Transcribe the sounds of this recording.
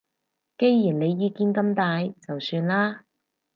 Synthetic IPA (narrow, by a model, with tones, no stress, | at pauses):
ke˥jjiː˨˩nle˨˧jːiː˨˧kiː˧nkɐ˧mt̪aː˨˧jt͡sɐ˨wsyː˧nlaː˥